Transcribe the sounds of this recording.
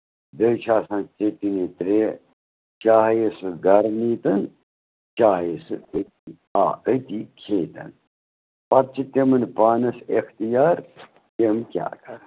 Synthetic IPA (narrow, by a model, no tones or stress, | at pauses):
d̪ət͡ʃʰaːsãːnt͡set̪init̪ɾeː | t͡ʃaːɦjesɨɡɐɾniːt̪ɐn | t͡ʃaːɦjesɨət̪i | a̰ːət̪iːkʰeːt̪ɐ̰n | pɐt̪̚t͡ʃʰit̪emɨnpaːnɐsext̪ijaːɾ | t̪emkʲja̰ːkɐɾ